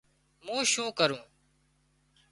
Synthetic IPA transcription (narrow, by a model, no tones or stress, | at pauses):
mũːʃũːkəɾũː